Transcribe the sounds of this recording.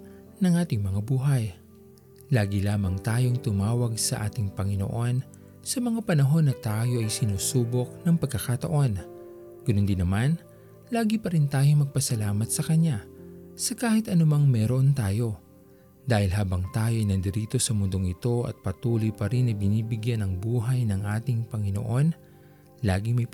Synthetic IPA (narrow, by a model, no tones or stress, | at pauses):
nɐŋʔaːt̪ɪŋmɐŋabuːɦɐj | laːɡilaːmɐŋt̪aːjo̞ŋt̪ʊmaːwɐɡsɐʔa̰ːt̪ɪŋpɐŋɪno̞̰ʔo̞n | sɐmɐŋapɐnɐɦo̞nːɐt̪aːjo̞ʔɐjsɪnuːsuːbo̞k̚nɐŋpɐɡ̚kːɐkat̪ɐ̰ʔo̞n | ɡ̥ʊnond̪ɪnɐman | laːɡipɐɾɪnt̪aːjo̞mɐɡ̚pɐsɐlaːmɐt̪̚sɐkɐɲːasɐkaːhɪt̪ʔɐnʊmɐŋmɛɾoʔont̪aːjo̞ | d̪aːhɪlɦaːbɐŋt̪aːjo̞ʔɪjnɐnd̪ɪɾiːt̪o̞sɐmʊnd̪oŋɪt̪o̞ɐ̰t̪̚pɐt̪uːlojpɐɾinːɐbɪniːbɪɡjanɐŋbuːɦɐjnɐŋʔaːt̪ɪŋpɐŋɪno̰ʔo̞n | laːɡɪmɐj